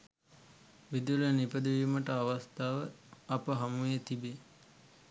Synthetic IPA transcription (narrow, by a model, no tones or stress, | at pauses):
ʋid̪ulənipəd̪iʋiməʈəaʋast̪aːʋəɐpəɦamujet̪ibe